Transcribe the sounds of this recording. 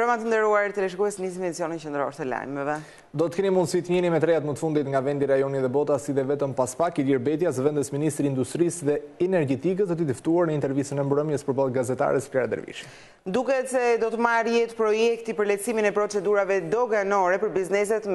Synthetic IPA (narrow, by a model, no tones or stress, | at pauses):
bɾamat̪ənd̪ɛɾuaɾt̪əlɛʃ̬ɡuɛsnis̬imɛd̪it͡sijɔnint͡ʃənd̪əɾɔ̰ɾt̪əla̰jmɛvɛ | d̪ɔt̪əkɛnimund̪sit̪əɲɛnimɛt̪ɾɛjat̪mət̪əfund̪it̪ŋɡavɛnd̪iɾajɔniðɛbɔt̪asiðɛvɛt̪əmpaspakiliɾbɛt̪jasvɛnd̪əsminist̪ɾiːnd̪ust̪ɾisðɛɛnɛɾɡɛt̪ik̬əd̪ɔt̪id̪əft̪uaɾnəint̪ɛɾvisənɛmbɾəmjəspəɾbalˠɡazɛt̪a̰ɾɛsplɛɾad̪ə̰ɾvḭʃi | d̪ukɛt̪sɛd̪ɔt̪əmaɾjɛt̪pɾɔjɛkt̪ipəɾlɛsiminɛpɾɔt͡sɛd̪uɾavɛd̪ɔɡanɔɾɛpəɾbiznɛs̬ɛt̪